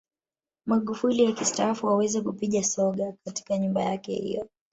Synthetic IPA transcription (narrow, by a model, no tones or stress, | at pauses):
maɠufuliwakistaːfuhawɛzɛkupiɠasɔɠakati̥kaɲumbajakɛ̰hḭjɔ